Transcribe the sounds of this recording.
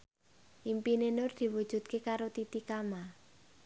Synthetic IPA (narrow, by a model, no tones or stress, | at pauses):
ʔimpinenʊrd̪̥i̤wud̥ʒ̥ṳt̪̚kekaɾot̪it̪ikama